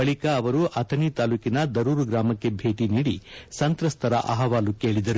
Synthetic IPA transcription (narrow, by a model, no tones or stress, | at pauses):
ɐɭikɐːʋɐɾuʔɐt̪ʰɐnit̪aːluːkinɐd̪ɐɾuːɾuɡɾaːmɐkːe̞bʱe̞ːʈiniːɽisɐnt̪ɾɐst̪ʰɐɾɐ̰ʔɐ̰ɦɐʋaːlukeːɭid̪ɐɾu